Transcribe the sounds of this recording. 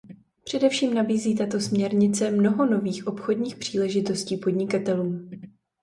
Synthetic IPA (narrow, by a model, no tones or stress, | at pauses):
pr̝̥ɛdɛfʃiːmnabiːziːt̪at̪o̞smɲɛɾɲɪt͡sɛmno̞ɦo̞no̞viːxʔo̞pxo̞dɲiːxpr̥iːlɛʒɪt̪o̞sciːpo̞dɲɪkat̪ɛluːm